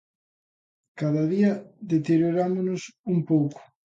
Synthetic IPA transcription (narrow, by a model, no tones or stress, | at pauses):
kaðaðiɐðet̪eɾjoɾamʊnʊsumpowkʊ̥